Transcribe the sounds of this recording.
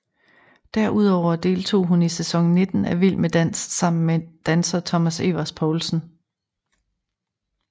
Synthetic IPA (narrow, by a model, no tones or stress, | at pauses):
d̥æɐʔuð̞̰ˠɒʊ̰ɐd̥e̝̰ːlt͡sʰo̝̰ːɦunisesɒ̽ŋne̝d̥n̩æʋil̰med̥æn̰sɡ̥sɑ̈m̰n̩med̥ænsɐt͡sʰɒ̽mæse̝̰ʋɐspʰɒːlsn̩